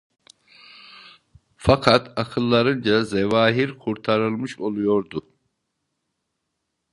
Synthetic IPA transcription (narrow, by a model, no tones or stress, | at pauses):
fakʰat̪ʰakʰɯlˠːaɾɯnd͡ʒazɛvaːɦiɾkʰuɾt̪ʰaɾɯlˠmɯʃo̞lˠujo̞ɾd̪u